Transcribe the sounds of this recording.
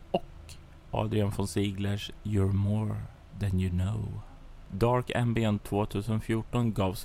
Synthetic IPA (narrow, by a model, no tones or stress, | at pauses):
ɔk | ʔɑ̰ːd̪ɾɪanfɔnsiːɡləʂjʊɹmoːɾ | ðɛnjʊnoʊ | d̪ɑːɹkɛ̰̃mbɪɔnt̪ʰvoːt̪ʰʉ̟ːsənfjuːʈɔnɡɑːvs